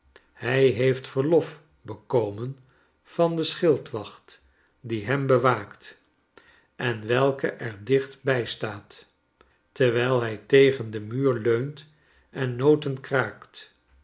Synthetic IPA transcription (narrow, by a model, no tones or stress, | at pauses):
hɛjɦejftfəɹlɔf | bəkowmən | v̥ɑndəsχɪlˠtʋɑχt | diɦɛmbəʋaːkt | ʔɛnʋɛlˠkəʔɛɹdɪχtbɛjstaːt | təɹʋɛjlˠɦɛjtejχəndəmyːɹløɥnt | ʔɛnːowtənkraːkt